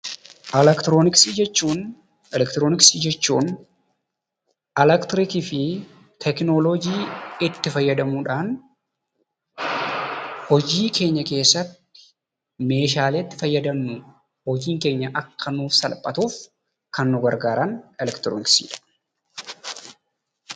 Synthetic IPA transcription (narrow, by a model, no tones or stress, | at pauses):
ʔɛlɛkt̪ɾoːnɪksiːd͡ʒɛt͡ʃːuːn | ɛlɛkt̪ɾoːnɪksiːd͡ʒɛt͡ʃːuːn | ɛlɛkt̪ɪɾɪkɪfɪ | t̪ʰɛknolod͡ʒiːɪt̪ːɪfɐjːɐd̪ɐmuːᶑaːn | hɔd͡ʒiːkʰe̞ːɲːɐke̞ːsːɐt̪ː | ɪ̥ | me̞ːʃaːleːt̪ːɪ̥fɐjːɐd̪ɐnːʊ | hɔd͡ʒiːŋke̞ːɲːɐʔɐkʰːɐnuːfsɐlpʼːɐt̪uːf | kɐnːʊɡɐɾɡaːɾɐnɛlɛkt̪ɾo̰ːnɪksḭːᶑɐ̥